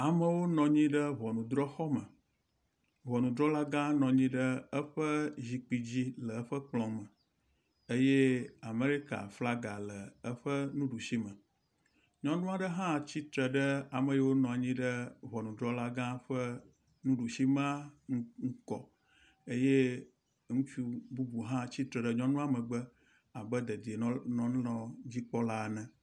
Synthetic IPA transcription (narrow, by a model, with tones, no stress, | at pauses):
a˨mə˨wo˦nɔ̃˨ɲĩ˦ɖə˦βɔ˨nũ˨d̪ɾɔ˦xɔ˦mə̃˨ | βɔ˨nũ˨d̪ɾɔ˦la˦ɡã˦nɔ̃˨ɲĩ˦ɖə˦ə˦ɸə˦zi˨k͡pi˨d͡ʑi˦lə˨˦ɸə˦k͡plɔ̃˨mə̃˨ | e˦je˦a˨me˦ɾi˦ka̰˨fla˦ɡa˨lə˨ə˦ɸə˦nũ˦ɖu˨ʃi˦mə̃˨ | ɲɔ̃˦nũ˦a˨ɖə˦ɦã˦˨t͡ɕi˦t̪ɾə˨ɖə˦a˨mə̃˨je˦wo˦nɔ̃˨a˨ɲĩ˦ɖə˦βɔ˨nũ˨dɾɔ˦la˦ɡã˦ɸə˦ | nũ˦ɖu˨ʃi˦mã˦ŋ̩˦ŋ̩˦kɔ̰˨ | e˦je˦ | ŋũ˦t͡ʃu˦bu˦bu˨ɦã˦t͡ɕi˦t̪ɾɛ˨ɖə˦ɲɔ̃˦nũ˦a˨mə̃˨ɡ͡bə˦ | a˨bə˦d̪e˨d̪i˨e˨˦nɔ̃˦n˦lɔ̃˨d͡ʑi˦k͡pɔ˦la˦˨nɛ̃˨